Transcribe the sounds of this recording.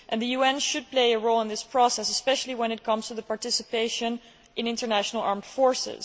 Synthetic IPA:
ʔɨ̃nðɨjuɛ̃nʃɨd̚pleɪɨɹoʊlˠə̃nðɪspʰɹ̥ɔsɛsəspɛʃl̩ˠiwə̃nɨt̚kʰʌ̃mz̥tʰɨðəpɑɹtɪsɨpeɪʃɨ̃n | ʔɨ̃nɪ̃ntə˞næʃnl̩ˠɑɹmd̥fɔɹsɪ̰z̥

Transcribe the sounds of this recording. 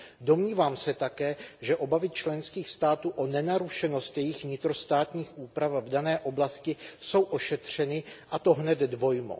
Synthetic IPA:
do̞mɲiːvaːmsɛt̪akɛːʒɛʔo̞bavɪt͡ʃlɛnskiːxst̪aːt̪uːʔonɛnaɾuʃɛno̞st̪jɛjɪxvɲɪt̪ɾo̞st̪aːt̪ɲiːxʔuːpɾafvdanɛːʔo̞blascɪso̞wʔo̞ʃɛt̪r̝̥ɛnɪʔat̪o̞ɦnɛd̪dvo̞jmo̰

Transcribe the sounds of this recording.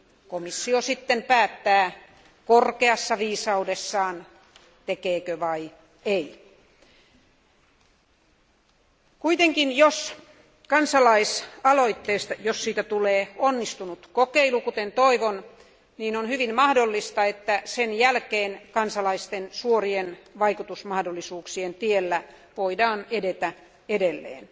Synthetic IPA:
komisːiosit̪ːempæːt̪ːæː | korkeɑsːɑʋiːsɑudesːɑːn | t̪ekeːkøʋɑi | ei | kuit̪eŋkinjos | kɑnsɑlɑisɑloit̪ːeːst̪ɑjossiːt̪æt̪uleːonːist̪unut̪kokeilukut̪ent̪oiʋon | niːnonhyʋinmɑhdolːist̪ɑet̪ːæsenjælkeːnkɑnsɑlɑist̪ensuorienʋɑikut̪usmɑhdolːisuːksient̪ielːæ | ʋoidɑːnedet̪æ | edelːḛːn

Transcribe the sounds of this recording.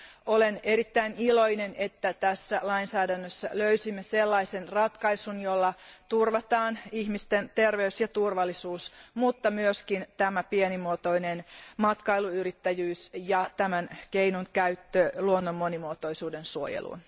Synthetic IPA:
oleneɾit̪ːæiniloinene̞t̪ːæt̪æsːælɑinsæːdænːøsːæ̰løysimːeselːɑisenrɑt̪kɑisunjolːɑt̪urʋɑt̪ɑːniçmist̪ent̪erʋeysjɑt̪urʋɑlːisuːsmut̪ːɑmyøskint̪æmæpienimuot̪o̞inenmɑt̪kɑiluyrit̪ːæjyːsjɑt̪æmænkeinuŋkæyt̪ːøluonːomːonimuot̪oisuːdensuo̰jḛlʔṵn

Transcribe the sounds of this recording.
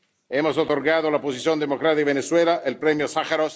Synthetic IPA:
emosot̪oɾɣaðolapos̬isjond̪emokɾaðeβeneswelaʔelpɾemjosaxaɾos

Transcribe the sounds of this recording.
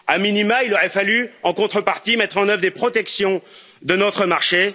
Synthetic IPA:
aminimailɔʁɛfalyɑ̃kɔ̃t̪χəpaʁt̪imɛt̪χɑ̃nœvʁd̪epχɔt̪ɛksjɔ̃ | d̪ənɔt̪χəmaʁʃe

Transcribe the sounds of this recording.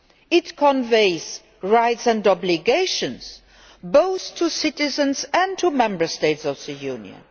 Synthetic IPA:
ɪtkʰə̃nveɪz̥ | ɹaɪtsɨ̃ndɔblɪɡeɪʃə̃nz̥ | boʊθtʰːusɪtɪzə̃nzæ̃ntʰumɛ̃mbə˞steɪtsɔvðɨjunjə̰̃n

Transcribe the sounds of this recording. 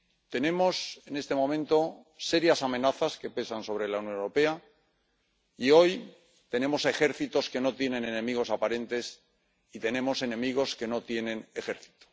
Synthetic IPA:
t̪e̞nẽ̞mo̞se̞ne̞st̪e̞mõ̞mẽnt̪o̞ | se̞ɾjasamẽ̞naθaske̞pe̞sanso̞β̞ɾe̞launjõ̞newɾo̞pe̞a | io̞j | t̪e̞nẽ̞mo̞se̞xe̞ɾθit̪o̞ske̞no̞t̪je̞nẽ̞ne̞nẽ̞miɣ̞o̞sapaɾe̞nt̪e̞s | it̪e̞nẽ̞mo̞se̞nẽ̞miɣ̞o̞ske̞no̞t̪je̞nẽ̞ne̞xe̞ɾθi̥t̪o̥

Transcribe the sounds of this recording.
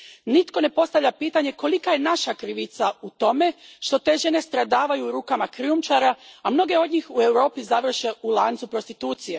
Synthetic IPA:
nit̪ko̞ne̞po̞st̪aʋʎʲapiːt̪aɲe̞ko̞likaje̞naʃakɾiʋit̪saut̪o̞me̞ʃt̪o̞t̪e̞ʒene̞st̪ɾad̪aːʋajuːɾuːkamakɾiumt͡ʃaɾaːmno̞ɡe̞o̞d̪ɲixue̞wɾo̞ːpizaʋr̩ʃe̞ulˠaːnt̪supɾo̞st̪it̪uːt̪sije̞

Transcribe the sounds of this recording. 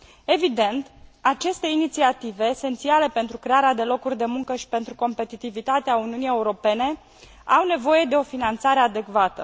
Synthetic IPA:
e̞vid̪e̞nt̪at͡ʃe̞st̪e̞init̪siat̪ive̞ːse̞nt̪siale̞pe̞nt̪ɾukɾe̞aɾead̪e̞lo̞kurʲd̪e̞muŋkəʃi̥pe̞nt̪ɾuko̞mpe̞t̪it̪ivit̪at̪eauniunije̞uɾo̞pe̞ne̞ | awne̞vo̞je̞d̪e̞o̞finant̪saɾe̞ad̪e̞kvat̪ə

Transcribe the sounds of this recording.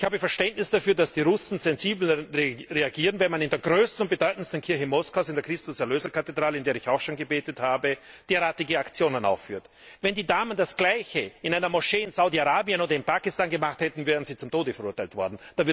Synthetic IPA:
ɪçhaːbəfɛɐʃtɛntnɪsd̥afyːɐdasd̥iːʁʊsn̩zɛnziːbl̩ʁeʁeaɡiːʁənvɛnmanɪndeːɐɡʁøːstn̩ʊnt̚b̥edɔʏtn̩stn̩kʰɪɐçəmɔskaʊsɪndeɐkʁ̥ɪstʊsɛɐløːzɐkʰatedʁaːlɪndeːɐɪçaʊxʃoːnɡəbeːtəthaːbəd̥eːɐʁaːtɪɡəakt͡sjoːnəna̰ʊfːyːɐt | vɛndiːdaːməndasɡ̥laɪçəʔɪnaɪnɐmɔʃeːɪnz̥aʊdiaʁaːbiənoːdɐɪnpaːkɪstaːnɡəmaχthɛtn̩vɛːʁənziːt͡sʊmtoːdəfɛɐʁuɐtaɪltv̥ɔɐdn̩d̥avɪɐ

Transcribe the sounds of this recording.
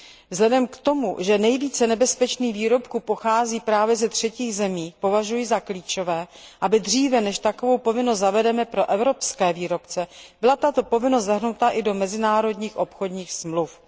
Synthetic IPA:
vzɦlɛdɛmkt̪o̞mṵʒɛnɛjviːt͡sɛnɛbɛspɛt͡ʃniːɣviːɾo̞pkupo̞xaːziːpɾaːvjɛzɛt̪r̝̥ɛciːɣzɛmiːpo̞vaʒujɪzakliːt͡ʃo̞vɛːʔabɪd̪r̝iːvɛnɛʃt̪akovo̞wpo̞vɪnost̪zavɛdɛmɛpɾo̞ʔɛvɾo̞pskɛːviːɾo̞pt͡sɛbɪlat̪at̪o̞po̞vɪnost̪zaɦnut̪aʔɪdo̞mɛzɪnaːɾo̞dɲiːxʔo̞pxo̞dɲiːxsmluf

